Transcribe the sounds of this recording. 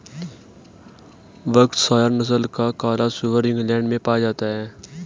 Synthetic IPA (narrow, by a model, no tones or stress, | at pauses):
ʋəkt̪saːjəɾnəs̬əlkakaːlasuʋəɾɪ̃ŋɡlɛ̃ːɳɖmẽpaːd͡ʒaːt̪aɦɛː